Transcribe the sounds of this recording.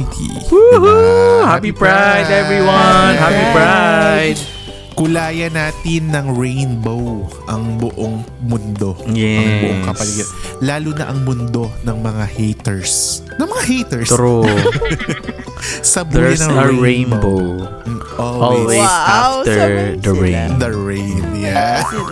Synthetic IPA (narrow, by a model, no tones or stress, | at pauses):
ḭ | hapipɹajd̪ɛvɹiwɐnhapipɹajd̪̚ | kʊlaːjɐnaːt̪ɪnːɐŋɹejnbowʔɐŋbʊʔoŋmʊnd̪o̞jɛɐŋbʊ̰ʔoŋkɐpɐliːɡɐnlaːlunɐ̰ʔɐŋmʊnd̪o̞nɐŋmɐŋahejt̪ɛɹs | nɐŋmɐŋahejt̪ɛɹsɾo | sɐbɐnɐɐɹẽjnbow | ʔɔlɔlwezaft̪ɛɹd̪ɐɹẽnd̪ɐɹejnja